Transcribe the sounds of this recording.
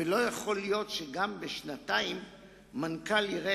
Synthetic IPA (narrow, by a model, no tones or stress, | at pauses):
elo̞jaχo̞lijo̞tʃeɡambeʃnataimː | ankaliʁe